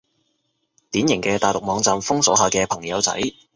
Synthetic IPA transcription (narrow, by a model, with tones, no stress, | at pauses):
t̪iː˨˥njɪ˨˩ŋkɛː˧t̪aː˨jlʊ˨k̚mɔː˨˧ŋt͡saː˨mfʊ˥ŋsɔː˨˥ɦaː˨kɛː˧pʰɐ˨˩ŋjɐ˨˧wt͡sɐ̰˨˥j